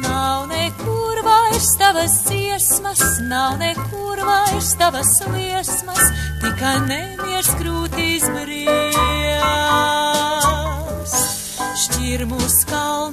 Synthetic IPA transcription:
nawnɛkuɾvajst̪avɐsd̪ziɛsmɐsnawnɛkuɾvajst̪avɐsliɛsmɐst̪ikajnɛmiɾskɾuːt̪iːsbɾi | s | ʃcʲiɾmuːskaln

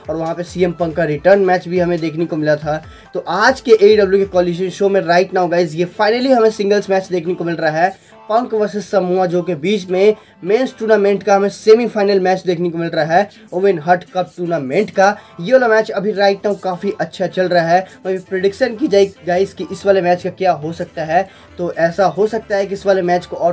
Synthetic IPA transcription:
ɔːɾʋɐɦãpesiːempɐ̃ŋkːaɾɪʈəɾnmɛːt͡ʃbʱiɦɐmẽd̪eːkʰnekomɪlat̪ʰa | t̪oʔaːd͡ʒkeʔeːɖɐbljukekɔːliʃ̬ənʃoːmẽɾaːɪʈnaːũɡaːɪzjefaːɪnəliɦɐmẽsɪ̃ŋɡəlsmɛːt͡ʃd̪eːkʰnekomɪlɾaaɦɛː | pɐ̃ŋkʋəsɪssɐmuad͡ʒoːkebiːt͡ʃmẽ | meːnsʈuːnamẽɳʈkaɦɐmẽseːmifaːɪnəlmɛːt͡ʃd̪eːkʰnekomɪlɾaaɦɛː | oːʋẽnɦɐʈkɐp̚ʈuːɾnamẽɳʈkajeʋoːlamɛːt͡ʃɐbʱiɾaːɪʈnaːũkaːfiʔɐtːʃʰat͡ʃɐlɾɐaɦɛːʋɐ̃bʱipɾeɖɪkʃənkid͡ʒaːiɡaːɪskiʔɪsʋaːlemɛːt͡ʃkakjaːɦosɐk̚t̪aɦɛ | t̪oʔɛːsaɦosɐk̚t̪aɦɛkiɪsʋaːlemɛːt͡ʃkoɔːɾ

